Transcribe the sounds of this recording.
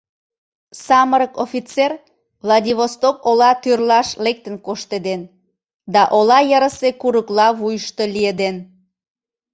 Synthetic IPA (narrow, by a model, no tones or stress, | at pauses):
sɑməɾəkofit͡ser | vlɑd̪ʲiβost̪okolɑt̪yrlɑʃlek̚t̪ənkoʃt̪ed̪en | d̪ɑʔolɑjəɾəsekuɾəklɑβujəʃt̪o̽lied̪en